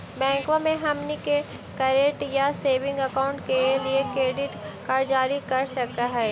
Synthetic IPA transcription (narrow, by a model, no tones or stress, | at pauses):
bɛ̃ːŋkõmẽɦɐmnike | kɐɾeʈjaseːʋɪ̃ŋɡɐkaːʊ̃ɳʈkeliekɾeːɖɪʈkaɾd͡ʒaːɾikɐɾʃɐkkt̪aɦɛː